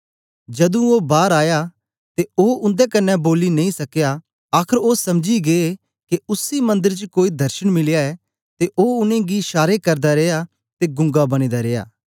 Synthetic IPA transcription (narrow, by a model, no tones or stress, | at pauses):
d͡ʒɐd̪ũoːbaːɾaːja | t̪eoːʊ̃nd̪ekɐnːɛboːlinɐĩsɐkja | aːkʰəɾoːsɐmd͡ʒiɡee | keʊsimɐ̃nd̪əɾt͡ʃkoːid̪ʱɐɾʃəɽ̃mɪlɪjaɛː | t̪eʔoːʊnẽɡiʃaːɾekɐɾd̪aɾeːja | t̪eɡʊ̃ŋɡabɐɽ̃iːd̪aɾeːja̰ː